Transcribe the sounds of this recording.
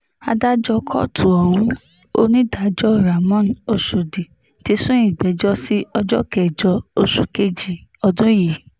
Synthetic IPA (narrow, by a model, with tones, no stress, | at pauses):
a˧da˦d͡ʒɔ˧kʰɔ̰˦˨tʰu˨ɔ˨hũ˨˦ | o˧nĩ˦da˨˦d͡ʒɔ˦˨ɾa˨mɔ̃˦no˧ʃo˨di˨ | ti˨˧˦sũ˦ĩ˦˨ɡ͡bɛ˨˦d͡ʒɔ˦si˦ɔ˧d͡ʒɔ˦kɛ˨d͡ʒɔ˧o˧ʃu˨ke˦˨d͡ʒi˨ɔ˧dũ˦ji˨